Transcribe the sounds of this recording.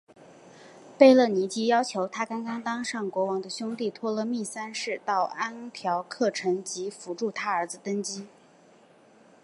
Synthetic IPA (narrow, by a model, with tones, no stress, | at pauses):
pe˥˧ɪlɤ˥˩ni˧˥t͡ɕi˥jɑ˥ʊt͡ɕʰjo˧˥ʊt̪ʰa˥kɑ˥ŋkɑ˥ŋt̪ɑ˥ŋʂɑ˥˩ŋkwɔ˧˥wɑ˧˥ŋd̪ə˧ɕjʊ˥ŋt̪i˥˩t̪ʰwɔ˥lə˧mi˥˩sa˥nʂɻ̩˥˧t̪ɑ˥˩ʊa˥nt̪ʰjɑ˧˥ʊkʰɤ˥˩ʈ͡ʂʰɤ˧˥ŋt͡ɕi˧˥fu˧˥ʈ͡ʂu˥˩t̪ʰa˥ə˞˧˥d͡zɹ̩˧t̪ə˥nt͡ɕi˥